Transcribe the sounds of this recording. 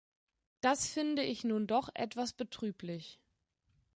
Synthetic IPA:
d̥asfɪndəʔɪçnuːndɔχʔɛ̰tv̥asb̥ətʁ̥yːplɪç

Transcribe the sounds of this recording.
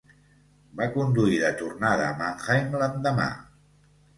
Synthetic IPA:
bakund̪uiðət̪urnaðəmaŋxajnlənd̪əma̰

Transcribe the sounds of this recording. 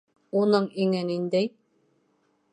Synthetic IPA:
unɤɴiŋɘnind̪æj

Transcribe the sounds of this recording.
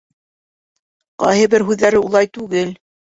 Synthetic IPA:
qɑ̰jɦɤbɘɾɦʉðːæɾɘulˠɑjt̪ʉɡɘl

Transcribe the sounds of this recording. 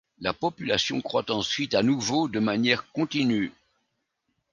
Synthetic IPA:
lapɔpylasjɔ̃kχwat̪ɑ̃sɥit̪anuvod̪əmanjɛʁkɔ̃t̪iny

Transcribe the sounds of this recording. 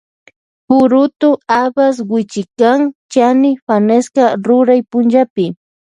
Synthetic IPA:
pʊɾʊt̪ʊabas̬wɪt͡ʃɪkaŋt͡ʃanɪfaneskaɾʊɾajpʊnʒapɪ

